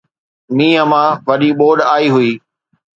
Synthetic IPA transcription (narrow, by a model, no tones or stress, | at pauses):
mĩːɐmãʋɐɗiɓoːɗaːiɦʊiː